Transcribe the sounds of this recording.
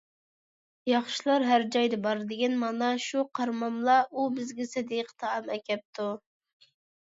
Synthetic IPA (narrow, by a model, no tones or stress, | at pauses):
jɑχʃilˠɑɾɦæɾd͡ʒɑjd̪ɨbɑɾd̪ɪɡʲɛnmɑnɑʃuqʰɑɾmɑmlˠɑʔubɪzɡʲɛsɪd̪iqʰə̥t̪ʰɑɑmɛkʲʰɛp̚t̪ʰu